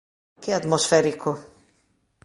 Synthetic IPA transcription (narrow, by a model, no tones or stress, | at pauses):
keat̪mɔsfɛɾiku